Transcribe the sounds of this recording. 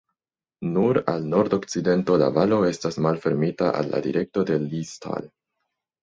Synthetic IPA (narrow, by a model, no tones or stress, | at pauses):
nuɾa̰lno̞ɾdo̞k̚t͡side̞nto̞la̰valo̞e̞stasmalfe̞ɾmitaʔa̰lːa̰dḭɾe̞k̚to̞de̞listʰa̰l